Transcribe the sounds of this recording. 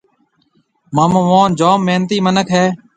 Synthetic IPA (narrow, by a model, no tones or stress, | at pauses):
maːmõːʋoːnd͡ʒaːmːeːnt̪iːmənəkʰɦeː